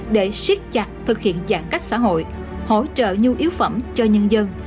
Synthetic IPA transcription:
ɗe˧˩swi˦˥ət̚t͡ɕa˨˩k̚t̪ʰɨ˨˩k̚hḭ˧˨ənzaː˧˩ŋka˦˥jk̚sa̰ː˧˥ɦo̰˧˨j | ho̰˧˥t͡ɕə̰ː˧˨ɲu˧ʔi˨˦əwfə˧˩mt͡ɕɔ˧ɲə˧nzə˧n

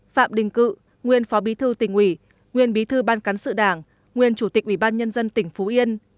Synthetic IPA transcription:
fa̰ː˧˨mɗï˨˩ŋ̟kɨ̰˧˨ | ŋwi˨˩ənfɔ˨˦ɓi˨˦t̪ʰɨ˧t̪ï˧˩ŋ̟ʔwi˧˩ | ŋwi˨˩ənɓi˨˦t̪ʰɨ˧ɓaː˧nka˨˦ŋsɨ̰˧˨ɗaː˧˩ŋ | ŋwi˨˩ənt͡ɕu˧˩t̪ï˨˩k̚ʔwi˧˩ɓaː˧nɲə˧nzə˧nt̪ï˧˩ŋ̟fu˨˦ʔi˧ən

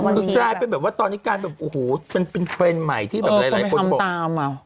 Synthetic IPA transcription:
ɯ˧ɾaː˥˩jpe˧nbɛː˨˩p̚waː˥˩t̪ɔː˧nːiː˦˥˩kaː˧nbɛː˨˩p̚ʔo˨˩hoː˩˦pe˧npe˧nt̪ʰɾeː˧nma˨˩jt̪ʰiː˥˩ɛː˨p̚ɾa˧˦jlːko˧bo˨˩t̪aː˧m˧˩

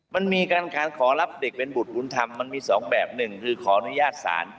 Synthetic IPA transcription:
ma˧nmiː˧kaː˧nkʰaː˨˧˦nkʰɔː˩˦la˦˥p̚de˨˩k̚pe˧nbu˨˩t̪̚u˧˦nt̪ʰa˧mːa˧nmiː˧sɔː˩˦ŋbɛː˨˩p̚nɯ˨˩ŋkʰɯː˧kʰɔː˩˦ʔa˧nu˦˥jaː˥˩t̪̚sa̰ː˩˦n

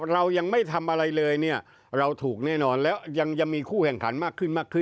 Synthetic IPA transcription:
ɾa˧wja˧ŋma˥˩jt̪ʰa˧mʔa˧ɾa˧jlɤː˧jni˥˩ɐ | ɾa˧wt̪ʰuː˨˩k̚nɛː˥˩nɔː˧nlɛː˦˥wja˧ŋja˧ŋmiː˧kʰuː˥˩kʰɛ˨˩ŋkʰa˩˦nmaː˥˩kʰːɯ˥˩nmaː˥˩kʰːɯ˥˩

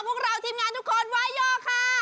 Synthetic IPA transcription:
pʰu˥˩əŋ̚kɾa˧˩wt̪ʰiː˧mŋaː˧nt̪ʰu˦˥kʰːo˧˥nwaː˦˥jːɔː˧˩kʰa˥˩

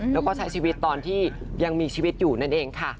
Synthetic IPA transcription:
lɛː˦˥wkɔː˥˩t͡ɕʰa˦˥jt͡ɕʰiː˧wi˦˥t̪ːɔː˧nt̪ʰiː˥˩ | ja˧ŋmiː˧t͡ɕʰiː˧wi˦˥t̪̚juː˨˩na˥˩nʔeː˧ŋkʰa˥˩

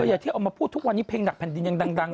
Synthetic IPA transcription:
ɤ˧ja˨˩t̪ʰi˥˩ʔa˧wmaː˧pʰuː˥˩t̪ʰːu˦˥k̚wa˧nːiː˦˥pʰeː˧ŋna˨˩k̚pʰɛ˨˩ndi˧nja˧ŋda˧ŋda˧ŋ

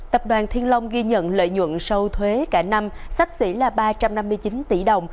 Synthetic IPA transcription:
t̪ə˨˩p̚ɗwaː˨˩nt̪ʰi˧ənlə˧wŋ͡mɣi˧ɲə̰˧˨nlə̰ː˧˨jɲwə̰˧˨nsə˧wt̪ʰwe˨˦kaː˧˩na˧msa˦˥k̚sḭ˧˥laː˨˩ɓaː˧t͡ɕa˧mna˧mːɨ˧əjt͡ɕi˨˦nt̪i˧˩ɗə˨˩wŋ͡m

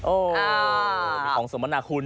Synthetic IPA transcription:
ʔoː˧a˧ | ɔː˩˦ŋsoː˨˩˦ma˧naː˨˩˦kʰu˧n

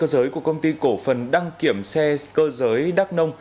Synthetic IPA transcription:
əː˧zəː˨˦jku˧˩əkə˧wŋ͡mt̪i˧ko˧˩fə˨˩nɗa˧ŋki˧˩əmsɛ˧kəː˧zəː˨˦jɗaː˦˥k̚nə˧wŋ͡m

